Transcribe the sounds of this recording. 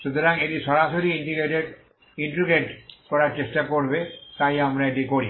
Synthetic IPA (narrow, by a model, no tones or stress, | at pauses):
ʃut̪oɾaŋeʈiʃɔɾaʃoɾiiɳɖiɡɾeʈeɖ | iɳʈɾiɡeʈkɔɾaɾt͡ɕesʈakoɾbet̪ajamɾaeʈikoɾi